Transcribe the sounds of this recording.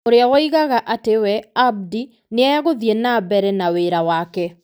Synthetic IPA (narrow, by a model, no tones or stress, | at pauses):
oɾeawɔiɣaɣaʔatewɛab̚di | neɛjaɣoðienabɛɾɛnaweːɾawakɛ